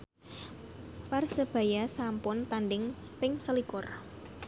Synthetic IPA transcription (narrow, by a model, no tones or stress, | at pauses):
parsəb̥a̤jasampʊnt̪anɖɪŋ | pɪŋsəlikʊr